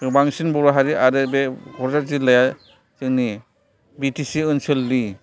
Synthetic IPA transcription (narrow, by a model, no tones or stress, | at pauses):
baŋsinbɔɾaɦaɾiaɾɯbebʱɔɾzazilaja | sɯŋni | bitisiɯnsɯlːi